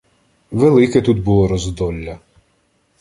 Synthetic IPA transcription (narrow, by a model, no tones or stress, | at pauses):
ʋelˠɪkɛt̪ud̪bulˠɔɾɔzd̪ɔlʲːɐ